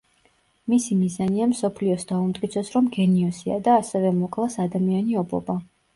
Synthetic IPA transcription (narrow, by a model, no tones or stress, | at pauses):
misimizaniamsɔpʰliɔsd̪aumt̪ʼkʼit̪sʰɔsɾɔmɡɛniɔsia̰d̪aːsɛvɛmɔkʼlˠasad̪amianiɔbɔ̰ba